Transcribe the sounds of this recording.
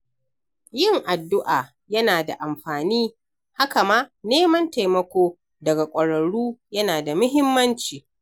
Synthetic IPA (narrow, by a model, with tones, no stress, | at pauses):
jɪ˦˨ŋʔa˨dːʊ˦ʔaː˨ | jɐ˦naː˨da̰˨ʔa˨mɸaː˨niː˦ | ha˦ka˨maː˦neː˦mɐ˦nta˨jmɐ˨kʷoː˦ | dɐ˨ɡa˨kʷʼɐ˨ɽɐ˨ɽuː˦jɐ˦naː˨da˨mʊ˦ɦɪ˦mːɐ˦nt͡ʃiː˨